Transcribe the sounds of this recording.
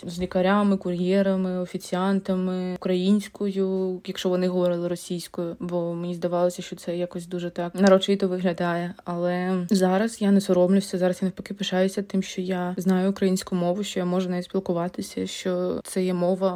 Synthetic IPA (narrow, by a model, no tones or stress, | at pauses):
zʲlʲikɐɾʲamɪkʊɾʲjɛɾɐmɪɔfʲit͡sʲiɑnt̪ɐmɪʊkɾɐjinʲsʲkʰɔjʊjɐkʃt͡ʃɔʋɔnɪɦɔʋɔɾɪlˠɪɾɔsʲijsʲkɔjʊbɔmenʲizd̪ɐʋɑlˠɔsʲɐʃt͡ʃɔt̪sɛjakɔsʲd̪uʒɛt̪ɑknɐɾɔt͡ʃit̪ɔʋɪɦlʲɐd̪ɑjɛɐlˠɛzɑɾɐsjanɛsɔɾɔmlʲʊwsʲɐzɑɾɐsjanefpɔkɪpɪʃɑjʊsʲɐt̪ɪmʃt͡ʃɔjaznɑjʊːkɾɐjinʲsʲkʊmɔʋʊʃt͡ʃɔjamɔʒɛnaʋʲitspʲilˠkʊʋɑt̪ɪsʲɐʃt͡ʃɔt̪sɛjɛmɔʋɐ